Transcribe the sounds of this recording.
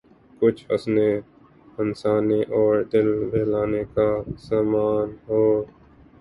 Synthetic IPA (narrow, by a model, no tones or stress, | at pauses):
kʊt͡ʃʰə̰sneː | ənsaːniːʔɔːɾd̪ɪlbʱeːlaːneːkaːsaːmaːnɦoː